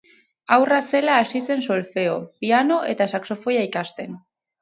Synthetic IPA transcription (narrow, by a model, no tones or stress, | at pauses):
awrase̞laːsise̞nso̞lfe̞o̞̰piano̞ʔe̞̰t̪asakso̞fo̞jaikast̪e̞n